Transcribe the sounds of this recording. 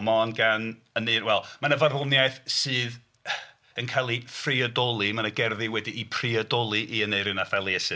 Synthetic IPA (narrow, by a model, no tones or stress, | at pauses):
mɔnɡan | əneːrwɛlˠmanəvarvɔnjajθsɨːð | ənkʰalˠifriɔdɔlˠimanəɡɛrðiwɛdiʔipʰriɔdɔlˠiʔiəneɨɾɨnafɛlˠiɛsɨ